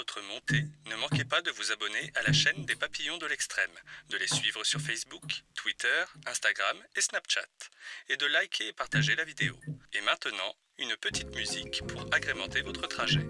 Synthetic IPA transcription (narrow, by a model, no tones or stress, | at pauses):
ɔt̪χəmɔ̃t̪ʰenəmɑ̃kepad̪əvuzabɔneʔalaʃɛnd̪epapijɔ̃d̪əlɛkst̪χɛmd̪əlesɥivʁəsyʁfɛsbukt̪wit̪œʁɛ̃st̪aɡʁamesnapʃa̰t̪ed̪əlajkʲʰeːpaʁt̪aʒelavid̪eo̰emɛ̃t̪ənɑ̃ | ynpət̪ʰit̪myzikpʰuʁaɡʁemɑ̃t̪evɔt̪χət̪χaʒɛ